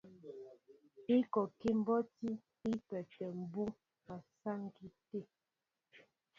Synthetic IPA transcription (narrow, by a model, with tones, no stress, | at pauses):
i˦kɔ˨ke˦m˦bɔ˦ti˦ | i˦pɛ˨tɛ˨m̩˨bu˦ | ma˨sa˦ŋ˦ɡi˦te˦˨